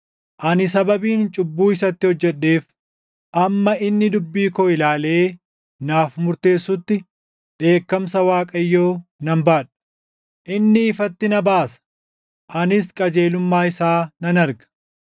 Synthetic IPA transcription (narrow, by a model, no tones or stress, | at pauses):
ʔɐnɪsɐbɐbiːnt͡ʃʼʊbːuːɪsɐt̪ːɪhɔd͡ʒːɛɗːe̞ːf | ʔɐmːɐɪnːɪd̪ʊbːiːkoːɪlaːle̞ː | naːfmʊɾt̪e̞ːsːʊt̪ːɪ | ᶑe̞ːkːɐmsɐwaːkʼɐjːo̞ːnɐmbaːᶑɐ̥ | ʔɪnːɪːfɐt̪ːɪnɐbaːsɐ̥ | ʔɐnɪskʼɐd͡ʒe̞ːlʊmːaːɪsaːnɐnɐɾɡɐ̥